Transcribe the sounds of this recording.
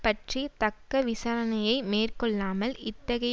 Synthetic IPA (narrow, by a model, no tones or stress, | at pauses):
pɐʈrit̪ɐkːɐʋɪsɐɾɐnɐjɐɪmeːrkɔɭːaːmɐlɪt̪ːɐɣɐj